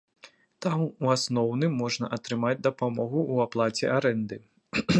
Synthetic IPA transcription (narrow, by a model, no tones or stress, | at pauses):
t̪amuasnɔwnɨmːɔʐnɐʔɐt̪ɾɨmad͡zʲd̪ɐpamɔɣuʔuaplˠat͡sʲɛʔaɾɛnd̪ɨ